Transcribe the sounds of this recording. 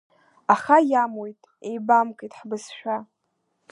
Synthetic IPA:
aχajamwojtʼ | ejbamkʼejtʼħbɨsʃᶣa

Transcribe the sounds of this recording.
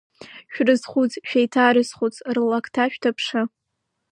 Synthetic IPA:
ʃᶣrɨzχʷut͡sʼʃᶣajtʰaɾɨzχʷut͡sʼrɨlːakʰtʰaʃᶣtʰapʰʂɨ

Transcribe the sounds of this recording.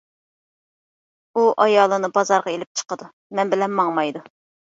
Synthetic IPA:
uʔɑjɑːlˠɨnɨbɑzɑɾʁɑelɪp̚t͡ʃʰə̥qəd̪u | mɛnbɪlɛnmɑŋmɑjd̪u

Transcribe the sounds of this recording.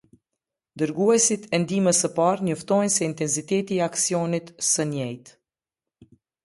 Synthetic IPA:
d̪əɾɡuɛsit̪ʰɛnd̪iməsəpaɾɲɔft̪ɔjnsɛint̪ɛns̬it̪ɛt̪iɛaksiɔnit̪səɲɛjt̪

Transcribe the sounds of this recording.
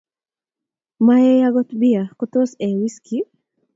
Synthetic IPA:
majejaɡɔt̪biakot̪osɛwiski

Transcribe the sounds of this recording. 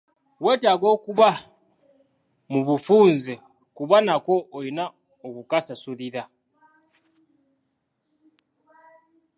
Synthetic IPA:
we̞ːtaɡo̞ːkuβa | muβufuːnze | kuβanako̞ːjina | okukasasuliɾa

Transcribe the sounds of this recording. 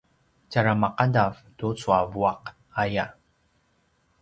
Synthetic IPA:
caɾamaqadavtut͡suavuaq | aja

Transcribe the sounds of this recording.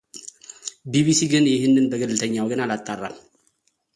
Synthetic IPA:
biβisiɡɨnjɪhɨnːɨnbəɡəlːɨt̪ʰəɲːawɡɨnalat̪ʼːarːal

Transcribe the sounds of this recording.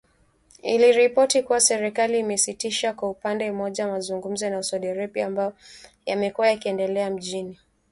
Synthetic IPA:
iliɾipɔtikuwasɛɾɛkaliːmɛsitiʃakwaupandɛm̩mɔʄamazuŋɡum̩zɔnausaɗiaɾɛpiambajɔ | jamɛkuajakiɛndɛlɛam̩ʄini

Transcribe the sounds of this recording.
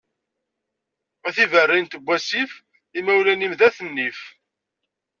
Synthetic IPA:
æθivərːint̪əbʷːæsif | imæwlænimðæθənːif

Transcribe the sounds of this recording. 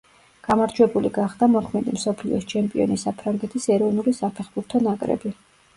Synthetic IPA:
ɡ̥amaɾd͡ʒwɛbuliɡaχd̪amɔkʰmɛd̪imsɔpʰlḭɔst͡ʃʰɛmpʼiɔnisapʰɾaŋɡɛt̪ʰisɛɾɔvnulisapʰɛχbuɾt̪ʰɔnakʼɾɛ̰bi

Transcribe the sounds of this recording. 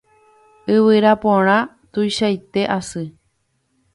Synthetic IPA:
ɨβɨɾapõɾ̃ã | t̪ujʃajt̪e̞ʔasɨ

